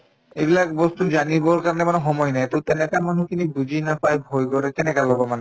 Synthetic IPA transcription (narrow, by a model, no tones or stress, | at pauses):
ebilakbɔst̪ud͡ʑaniboɾkaɾɔnemanoɦɔmɔjnɛjt̪owt̪enekamanukinibud͡ʑinapajbʱojɡɔɾet̪enekalɔbomane